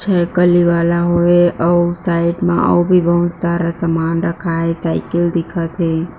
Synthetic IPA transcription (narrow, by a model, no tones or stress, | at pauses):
t͡ʃʰɛkəliʋaːlaɦoeəusaɪʈmã̰ʔə̰bʱibəɦʊt̪saɾasəmaːnɾəkʰaesaɪkɪld̪ɪkʰat̪e